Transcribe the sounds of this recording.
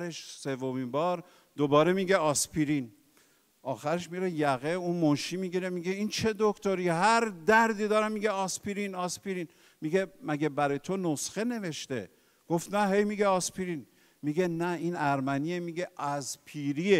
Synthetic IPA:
ɾeʃsevːomimbɒːɾ | d̪obɒːɾe̞miɡeɒspʰiɾin | ʔɒːxæɾeʃmiɾejæɣeunmonʃimiɡiɾemiɡeint͡ʃʰe̞d̪okʰt̪oɾiɦæɾd̪æɾd̪iːd̪ɒːɾæmːiɡeɒspiɾinɒːspiɾiːn | miɡemæɡebæɾɒjet̪ʰonosxe̞ne̞ve̞ʃt̪e̞ | ɡ̥oft̪næɦe̞jmiɡeɒspiɾin | miɡenæinæɾmæniemiɡeʔæspʰiːɾie

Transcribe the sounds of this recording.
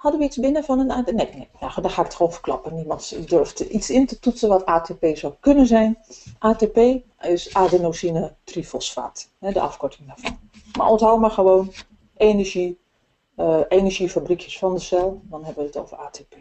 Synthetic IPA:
hɑdəʋəitsbɪnəfɔnənanenejadɔxaːɪkətχəʋownvərklɑ̰pənimɑntdøɹftisɪntətutəʋɔtʰaːtepeːzawkønənzɛjnʔaːtepeː | ɪsaːdənosinətrifəlˠsfa̰ːthɛdə̰ʔɑ̰fkɔɹtɪŋdaːɹvɑn | ma̰ɹɔntɦawəmaɹχəʋoːn | eːnəɹʒi | əenəɹʒifabrikjəsfɑndəsɛlˠdɔnɦɛbəʋətoːvəraːtepe

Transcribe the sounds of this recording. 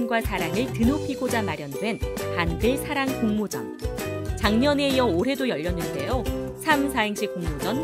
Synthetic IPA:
nɡwasʰaɾaŋɯɭtɯnokʰiɡod͡ʑamaɾjʌndwe̞npandɯɭsʰaɾaŋkuŋmod͡ʑʌ̰nt͡ɕaŋɲʌne̞ijʌoɾɦe̞dojʌʎːʌnːɯnde̞josʰamsʰaɦeŋɕʰik͈uŋmod͡ʑʌn

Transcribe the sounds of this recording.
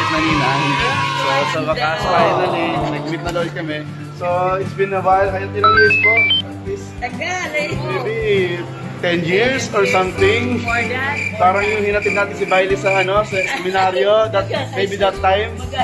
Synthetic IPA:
nɐninɐhɪnd̪ɛsosɐmɐkaskajɐnɐnɛnɐɡ̚mɪt̪̚nɐlɐnkɐmɛ | soɪt̪sbɪ̃nɐwajlhajɐt̪̚ːɪlɐŋjiɹspoɐ | ɪs | mejbi | t̪ɛnjɪɹsɔɹsɐmt̪ɪŋ | paːɾɐŋjʊŋhinɐt̪ɛd̪naːt̪ɪnsɪbajlɪsɐʔɐno̞sɐsɛmɪnaɾjod̪ɐt̪̚mejbid̪ɐt̪ːajm

